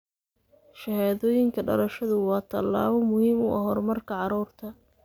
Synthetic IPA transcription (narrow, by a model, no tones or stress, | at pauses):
ʃɐhaːðɔːjɪŋkʰɐɖɐ̰lɐʃɐðʊwɑːt̪ʰɐlːa̰ːβɔmʊhiːmʊʔɐɦɔrmɐrkʰɐʕɑɾuːrt̪ʰɐ